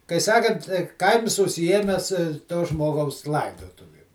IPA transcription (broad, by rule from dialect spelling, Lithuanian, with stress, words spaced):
kɐɪ ˈsɑːkɐnt ˈkɐɪms ʊʃʲsʲɪˈjiɛmʲɛs toː ˈʒmoːɡɐʊs ˈlˠɐɪdoːtʊʋʲɪm